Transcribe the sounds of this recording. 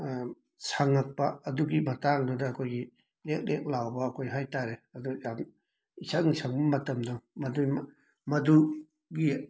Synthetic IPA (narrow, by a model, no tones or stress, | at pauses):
saŋːak̚pɐːduɡibɐtaŋdɔdɐːkʰojɡi | lek̚lek̚lawbɐːkʰojɦajtaɾeɐdujam | isʰaŋisʰaŋbɐmɐtɐmdɔmɐdum | mɐdu | ɡi